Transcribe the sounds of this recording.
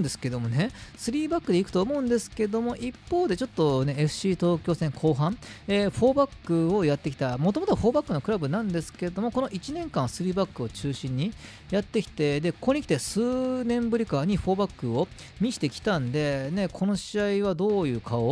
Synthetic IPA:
nd̪e̞sɨ̥ke̞d̪o̞mo̞ne̞sɨɾʲiːbakːɯ̟d̪e̞ikɯ̥t̪oːmo̞ɯ̟̃nd̪e̞sɨ̥ke̞d̪o̞mo̞ʔipːo̞ːd̪e̞t͡ɕo̞t̪ːo̞ne̞eɸɯ̟̥ɕiːt̪o̞ːkʲo̞ːsẽ̞ŋkʰo̞ːɦãɴeɸo̞ːbakːɯ̟o̞jat̪ːe̞kʲi̥t̪amo̞t̪o̞mot̪oɸo̞ːbakːɯ̟no̞kɯ̟ɾabɯ̟nãnd̪e̞sɨ̥ke̞d̪o̞mo̞ko̞no̞ʔit͡ɕinẽ̞ŋkãɰ̃sɨɾʲiːbakːɯ̟o̞t͡ɕɨːɕĩɲ̟ːi | jat̪ːe̞kʲi̥t̪e̞d̪e̞ko̥koɲ̟ikʲi̥t̪esɨːnẽ̞mbɯ̟ɾʲikaɲ̟iɸo̞ːbakːɯ̟o̞ | mʲiɕi̥t̪e̞kʲi̥t̪ãnd̪e̞ne̞kʰo̞no̞ɕiaiβad̪o̞ːjɯ̟ːkʰao

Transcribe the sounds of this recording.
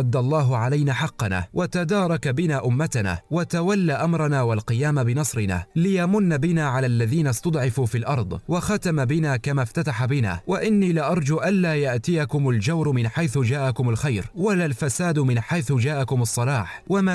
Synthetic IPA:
ɑd̪ːalˤːɑːɦʊʕalajnaːħɑqːɑna̰ːwʔat̪ad̪ɑːɾˤɑkabɪnaːʔʊmːat̪ana̰ːwat̪awalːaːʔamɾˤɑnaːwalqɨjaːmabɪnɑsˤɾɪna̰ːlɪjamʊnːabɪnaːʕalaːlːaðiːnast̪ʊd̪ˤʕɪfuːfiːlʔɑɾˤd̪ˤwaxat̪amabɪnaːkamaːft̪at̪aħabɪna̰ːwaʔɪnːiːlɪʔɑɾˤd͡ʒuʔanlaːjaʔt̪ɪjakʊmald͡ʒawɾmɪnħajθʊd͡ʒaːʔakʊmalxajɾwalaːlfasaːd̪mɪnħajθʊd͡ʒaːʔakʊmɑsˤːɑlɑːħwamaː

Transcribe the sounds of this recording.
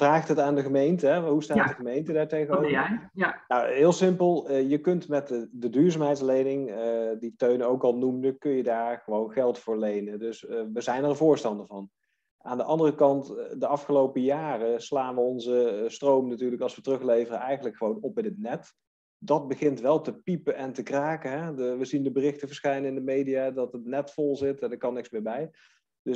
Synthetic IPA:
fraːχtɦətaːndəχəmejntəɦɛɦustaːt̚dəχəmejntədaːɹtejɣəowvənawɦɪːlˠsɪmpəlˠjəkɵntmɛtdədyːɹzaːmɦɛjtslejnɪŋəditøɥnowkɑlˠnumdəkɵnjədaːɹχəʋownχɛlˠtfʊːɹlejnədɵsʋəzɛjnəɹvʊːɹstɑndəɹvɑn | aːndəʔɑndərəkɑntdəɑfχəlowpəjaːrəslaːnʋəɔnzəstrowmənatyːɹləkɑlˠsʋətərɵχlejvərəɛjχənləkχəʋownɔpɪnət̚nɛt | dɑd̚bəχɪntʋɛlˠtəpipəɛntəkraːkəɦɛʋəzindəbərɪχtəvəɹsχɛjnəɪndəmejdijadɑtətnɛtfɔlˠzɪtɛndəɹkɑnːɪksmɪːɹbɛj | d̥ɵ

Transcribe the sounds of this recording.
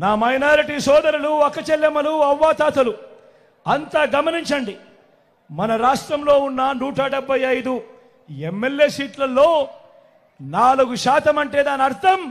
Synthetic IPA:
naːmɐjnaːɾiʈiːsɔːd̪ɐɾuluɐkɐt͡ʃɛlːɐmɐluɐʋːaːt̪aːt̪ɐlu | ɐnt̪aːɡɐmɐniɲt͡ʃɐɳɖi | mɐnɐɾaːʂʈɾɐmlo̞ːunːanuːʈaːɖɛbʱːɐjɐjd̪u | emːeljeːsiːʈlɐlːo̞ː | naːluɡuʃaːt̪ɐmɐɳʈeːd̪aːnɐɾt̪ʰɐm

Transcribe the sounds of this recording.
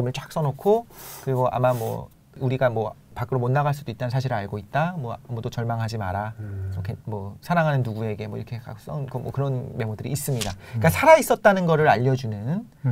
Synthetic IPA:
ɯmɯɭt͡ɕ͈ak̚s͈ʌnokʰokɯɾiɡoʔa̰mamwʌ̰ | uɾiɡamwʌpak͈ɯɾomonːaɣaɭs͈udoit͈̚anɯnsʰaɕʰiɾɯaɭɡoit̚t͈amwʌmudot͡ɕʌɭmaŋɦad͡ʑima̰ɾasʰʌkemʌsʰaɾaŋɦanɯnːuɡue̞ɡe̞mwʌḭɾʌkʰe̞ka̰s͈ʌkɯmʌkɯɾʌnme̞modɯɾḭːs͈ɯmɲidaik͈asʰaɾais͈ʌt̚t͈anɯnɡʌɾɯɾaʎːʌd͡ʑunɯnn

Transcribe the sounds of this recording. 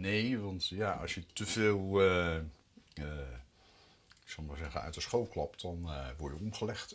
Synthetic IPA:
nejʋɑntjaːʔɑ̰ʃjətəvɪːlˠə | ɪksɑwmaːɹzɛχənœ̰ɥtəsχowlˠklɑptdɑnʋɔɹjəɔmχəlɛχt

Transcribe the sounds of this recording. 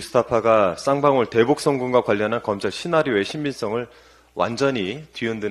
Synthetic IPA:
usʰɯ̥tʰapʰaɡas͈aŋbaŋuɭte̞buk̚s͈ʌŋɡuŋɡwakwaʎːʌnɦankʌmt͡ɕʰaɭɕʰinaɾjoe̞ɕʰimːins͈ʌŋɯɭ | wʔa̰nd͡ʑʌɲitɥiʌndɯ

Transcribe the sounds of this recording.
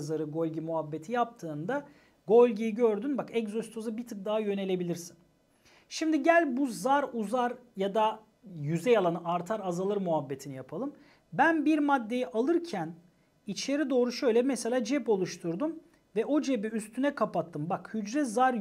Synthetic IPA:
zaɾɯɡo̞lʲɟimuɦabːe̞t̪ʰijap̚t̪ʰɯːnd̪a | ɡo̞lʲɟijiɟøɾd̪ynbakɛkzost̪ʰozɯbit̪ʰɯk̚d̪aːajø̞ne̞lʲebilʲiɾsin | ʃimd̪iɟælʲbuzaɾuzaɾjad̪a | jyzɛjalˠanɯʔaɾt̪ʰaɾazalˠɯɾmuɦabːe̞t̪ʰinijapʰalˠɯm | bænbiɾmad̪ːe̞jiʔalˠɯɾcʰæn | it͡ʃʰeɾid̪o̞ːɾuʃø̞jlʲɛmɛse̞lʲaːd͡ʒɛpo̞lˠuʃt̪ʰuɾd̪um | vɛʔo̞d͡ʒe̞biyst̪ʰynɛkʰapat̪ʰːɯmbakhyd͡ʒɾɛzaɾ

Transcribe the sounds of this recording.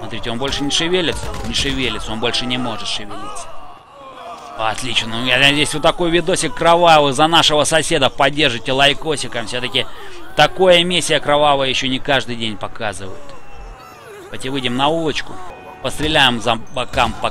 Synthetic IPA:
smɐt̪ɾʲitʲɪobo̞lʲʂɨnʲɪʂɨvʲelʲɪt̪snʲɪʂɨvʲelʲɪt̪so̞nbo̞lʲʂɨnʲɪmo̞ʐɨt̪ʂɨvʲɪlʲit̪sə̥ | ɐɐt̪lʲit͡ɕnʊzʲesʲvʲot̪ːɐko̞jvʲɪd̪o̞sʲɪkːɾɐvavɨzɐnaʂɨvəsɐsʲe̞d̪əpɐdʲːe̞rʐɨjtʲɪlˠɐjko̞sʲɪkəmfsʲot̪əkʲɪt̪ɐko̞jəmʲisʲːɪjəkɾɐvavəjəjɪɕːo̞nʲɪkaʐd̪ɨjdʲenʲpɐkazɨvə̰jɪt̪ | pɐtʲɪvɨjdʲɪmnɐulˠət͡ɕkʊ | pəst̪ɾʲɪlʲæjɪmzɐbɐkampɐ

